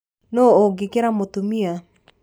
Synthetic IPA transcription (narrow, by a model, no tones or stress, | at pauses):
nooɡikeɾamot̪umia